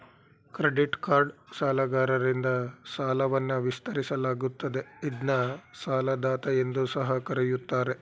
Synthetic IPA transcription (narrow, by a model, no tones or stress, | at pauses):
kɾeɖiʈkaːɾɖsaːlɐɡaːɾɐɾind̪ɐsaːlɐʋɐnːuʋist̪ʰɐɾisɐlaːɡut̪ːɐd̪e̞id̪nɐsaːlɐd̪aːt̪ɐjend̪usɐɦɐkɐɾejut̪ːaːɾe̞